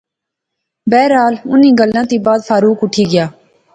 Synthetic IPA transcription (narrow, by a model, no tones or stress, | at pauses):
bɛːɾaːlʊnĩːɡəlːãːt̪iːbaːd̪fʰaːɾuːkʊʈʰiːɡɪjaː